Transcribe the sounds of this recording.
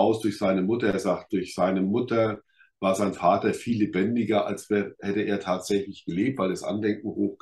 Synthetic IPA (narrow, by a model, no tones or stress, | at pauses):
aʊsd̥ʊɐçz̥aɪnəmʊtɐeːɐzaːkt̚d̥ʊɐçz̥aɪnəmʊtɐ | vaːɐzaɪnfaːtɐfiːlːebɛndɪɡɐʔa̰lsv̥ɛːʁəhɛtəʔeːɐtʰaːtz̥ɛçlɪçɡ̥əleːp̚tv̥aɪlɛsʔa̰ndɛŋk̚ŋ̩hoːx